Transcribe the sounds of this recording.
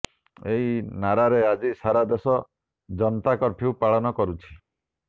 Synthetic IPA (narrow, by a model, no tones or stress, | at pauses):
eɦinaɾaɾead͡ʒisaɾad̪esɔ | d͡ʒɔnɔt̪akɔɾpʰiupaɭɔnɔkɔɾut͡ʃʰi̥